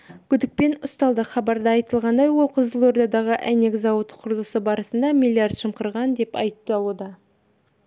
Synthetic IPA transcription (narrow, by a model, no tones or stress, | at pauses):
kʲʰʏd̪ɪk̚pe̞nʊst̪ɑlˠd̪əχɑbɑɾd̪əɑjt̪əlˠʁɑnd̪ɑjwo̞lˠqʰəzəlˠo̞rd̪ɑd̪ɑʁəʔæne̞kzɑwət̪qʰʊɾlˠəsəbɑɾəsənd̪ɑmilʲːˠiard̪ʃəmqəɾʁɑnd̪e̞pɑ̰j̪əp̚t̪ɑlˠud̪ə